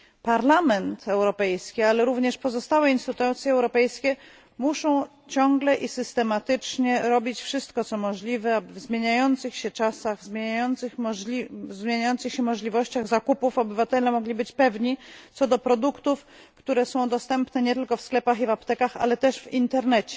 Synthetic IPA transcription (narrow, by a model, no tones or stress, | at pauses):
paɾlamɛnt̪ʰɛwɾɔpɛjskʲialɛɾuvɲɛʂpɔzɔst̪awɛinst̪ɘt̪ɛt̪sʲjɛɛwɾɔpɛjskʲɛ | muʂɔ̃w̃ | t͡ɕɔŋɡlɛʔisɘst̪ɛmat̪ɘt͡ʂɲɛɾɔbʲit͡ɕfʂɘst̪kɔt̪sɔmɔʐlʲivɛvzmʲjeɲajɔnt̪sɘxɕɛt͡ʂasaɣzmʲjjɔnt̪sɘxizmʲjeɲajɔnt̪sɘxɕɛmɔʐlʲivɔɕt͡ɕaɣzakupufɔbɘvat̪ɛlɛmɔɡlʲibɘt͡ɕpɛvɲit̪sɔd̪ɔpɾɔd̪ukt̪uf | kt̪uɾɛsɔ̃w̃d̪ɔst̪ɛmpnɛɲɛt̪ɘlkɔfsklɛpaxivapt̪ɛkaxa̰lɛt̪ɛʂvint̪ɛɾnɛt͡ɕɛ̥